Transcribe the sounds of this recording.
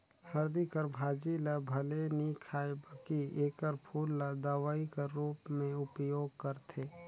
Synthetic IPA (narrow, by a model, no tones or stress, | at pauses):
həɾd̪ikəɾbʱaːd͡ʒiləbʱɐlenikʰaːebəkieːkəɾpʰuːlːəd̪aːʋaːikaɾːuːpmẽʊpjoːɡ̚kəɾt̪ʰeː